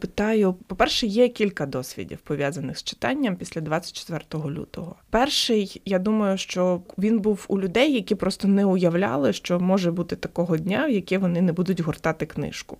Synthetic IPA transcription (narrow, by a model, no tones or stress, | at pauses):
pɪt̪ɑjʊpɔpɛrʃɛjɛkʲilʲkɐd̪ɔsʲʋʲḭdʲḭwpɔʋʲjazɐnɪxst͡ʃɪ̥t̪ɑnʲːɐmpʲisʲlʲɐd̪ʋɑt͡sʲːɐ̥t̚ʲt͡ʃe̥t̪ʋɛrt̪ɔɦɔlʲṵt̪ɔɦɔpɛrʃɪjjad̪umɐjʊʃt͡ʃɔʋʲinbuwulʲʊd̪ɛjːɐkʲipɾɔst̪ɔnɛʊjɐwlʲa̰lˠɪʃt͡ʃɔmɔʒɛbut̪ɪt̪ɐkɔɦɔdʲnʲawjɐkʲɪʋɔnɪnɛbud̪ʊtʲɦɔrt̪ɑt̪ɪknɪ̰ʃkʊ